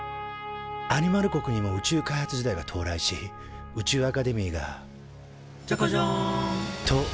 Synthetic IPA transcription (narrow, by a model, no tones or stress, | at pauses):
aɲ̟imaɾɯ̟ko̞kɯ̟ɲ̟imo̞ɯ̟t͡ɕɨːkaihat͡sɨʑid̪aiɡat̪ʰo̞ːɾaiɕi | ɯ̟t͡ɕɨːakad̪e̞mʲiːɡa̰ | t͡ɕokoʑo | t̪ʰo